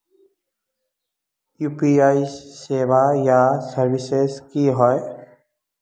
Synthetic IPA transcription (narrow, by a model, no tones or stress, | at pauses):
juːpiaisːeʋajasəɾbiseskiɦɔe